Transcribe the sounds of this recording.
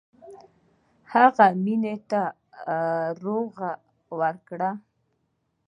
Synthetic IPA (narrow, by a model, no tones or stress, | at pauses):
haɣaminet̪a | ɾoɣa | wəɾkɽa